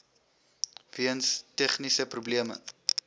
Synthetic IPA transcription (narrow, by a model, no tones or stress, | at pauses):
viənstɛχnisəprubliəmə̰